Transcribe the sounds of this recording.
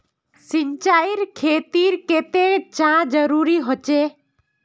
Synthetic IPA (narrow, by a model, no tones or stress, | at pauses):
sint͡ʃaiɾkʰet̪iɾket̪et͡ʃãd͡ʒəɾuɾiɦot͡ʃe